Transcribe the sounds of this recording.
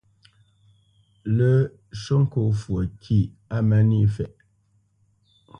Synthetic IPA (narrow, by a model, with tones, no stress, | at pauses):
lə˦ | ʃo˦ŋ̩˦ko˨fwə˨kʰi˦˨ | a˦ma˦ni˦˨fɛ˨ʔ